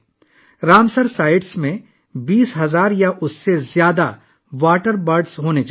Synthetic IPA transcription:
ɾaːmsəɾsaːɪɖsmẽ | biːsɦɐzaːɾjaʔʊsːezjaːd̪a | ʋaːʈəɾbɐɾɖsɦoːnet͡ʃː

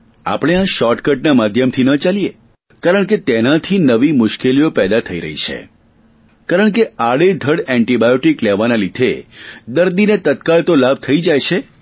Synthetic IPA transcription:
a̰pɽ̃eãʃɔʈkəʈ̚namad̪ʱjəmt̪ʰinət͡ʃalije | kaɾəɳ̃ket̪enat̪ʰinəʋimʊʃkelijopɛd̪at̪ʰəiɾə̰ɦḭt͡ʃʰḛ | kaɾəɳ̃keaɽed̪ʱəɽɛ̃ɳʈibajoʈiklɛʋanalid̪ʱḛd̪əɾd̪inet̪ət̪̚kalt̪olab̚ʱt̪ʰəid͡ʒajt͡ʃʰe

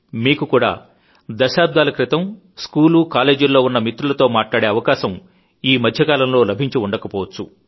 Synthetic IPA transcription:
miːkukuːɽa̰ː | d̪ɐʃaːb̚d̪ʱaːlɐkɾit̪ɐm | skuːluːkaːle̞ːd͡ʒulːo̞ːunːɐmit̪ɾulɐt̪o̞ːmaːʈlaːɽe̞ːɐʋɐkaːʃɐm | iːmɐd̪ʱjɐkaːlɐmlo̞ːlɐbʱiɲt͡ʃiuɳɖɐkɐpɔːʋɐt͡ʃːu

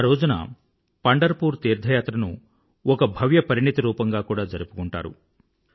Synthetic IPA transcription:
aːɾoːd͡ʒunɐ̰ | pɐɳɖɐɾpuːɾt̪iːɾd̪ʱɐjaːt̪ɾɐnṵ | ɔkɐbʱɐʋjɐpɐɾiɳit̪ɐɾuːpɐŋɡaːkuːɽaːd͡ʒɐɾupu̥kuɳʈa̰ːɾṵ

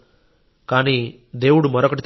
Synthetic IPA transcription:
kaːni | d̪eːwuɽumɐɾokɐʈit̪

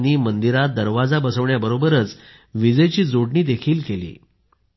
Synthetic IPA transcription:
niːmənd̪iɾat̪̚d̪əɾʋad͡zabəsəʋɳjabəɾobəɾət͡s | ʋid͡zəjt͡ɕiːd͡zoɽɳiːd̪ekʰiːlkelḭː

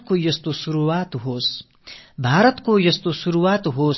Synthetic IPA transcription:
kojʌst̪osuɾuwaːt̪ɦoːs | bʱaːɾʌt̪kojʌst̪osuɾuwaːt̪ɦoːs

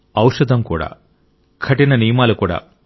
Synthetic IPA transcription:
ɐwʂɐd̪ʱɐmkuːɽa̰ː | kʰɐʈinɐnijɐmaːlukuːɽa̰ː

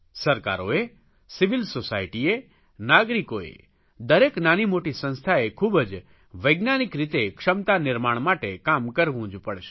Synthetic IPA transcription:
səɾka̰ɾoe | sɪʋɪlsosajʈie | naɡɾikoḛ | d̪əɾeknanimoʈisə̃nst̪ʰaekʰubəd͡ʒ | ʋəjɡnanikɾit̪ekʂəmt̪anɪɾmaɳ̃maʈekamkəɾʋũd͡ʒpəɽʃe̥

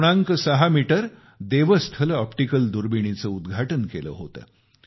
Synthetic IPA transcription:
ɽ̃ãŋkəsəɦamiʈəɾ | d̪eʋəst̪ʰələɔpʈikəld̪uɾbiɽ̃it͡səud̪ɡʱaʈənkelə̰ːɦot̪ə̰ː

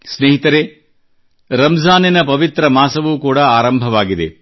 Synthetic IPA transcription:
sneːɦit̪ɐɾe | ɾɐmzaːninɐpɐʋit̪ɾɐmaːsɐʋuːkuːɽɐaːɾɐmbʱɐʋaːɡid̪e̞̰

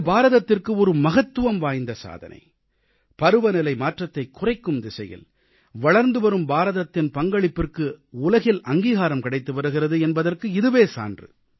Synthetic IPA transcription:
baːɾɐðɐt̪ːɪrkɯɔɾɯmɐɣɐt̪ːɯʋɐmʋaːjnd̪ɐsa̰ːðɐ̰nʔɐ̰ɪ | pɐɾɯʋɐnɪlɐɪmaːʈrɐt̪ːɐɪkːʊrɐɪkːɯmd̪ɪsɐ̰jɪ̰l | ʋɐɭɐɾnd̪ɯʋɐɾɯmbaːɾɐðɐt̪ːɪnpɐŋɡɐɭɪpːɪrkɯʊlɐɣɪlʔɐŋɡiːɣaːɾɐmkɪɽɐɪt̪ːɯʋɐɾɯɣɪrɐðɯɛnbɐðɐrkɯɪðɯʋeːsa̰ːndrɯ̰

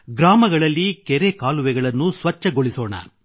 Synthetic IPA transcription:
ɡɾaːmɐɡɐɭɐlːikɛɾekaːluʋɛɡɐɭɐnːusʋɐt͡ʃːɐɡoɭisoːɳɐ̰

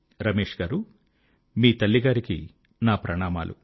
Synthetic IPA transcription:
ɾɐmeːʂɡaːɾu | miːt̪ɐlːiɡaːɾiki | naːpɾɐɳaːma̰ːlʔṵ

